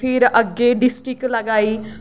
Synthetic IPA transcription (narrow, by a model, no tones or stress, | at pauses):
pʰɪɾɐɡeɖɪsʈɾɪklɐɡaːi